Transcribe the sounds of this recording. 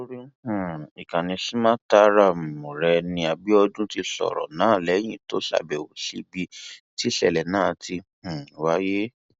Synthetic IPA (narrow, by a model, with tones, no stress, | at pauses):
to˦ɾi˦h̩˨i˨kã˨nĩ˧si˦mã˦ta˦ɾa˦˨m̩˨mõ˨ɾɛ˧nĩ˧a˨bi˦ɔ˧dũ˦ti˧sɔ̰˨ɾɔ̰˨nãː˨˦˨lɛ˨˦j̃ĩ˦˨to˦ɬa̰˦˨bɛ˨wo˨sḭ˦bi˧ti˦sɛ̰˨lɛ˨nãː˨˦˨tĩ˧˨ | wa˦je˦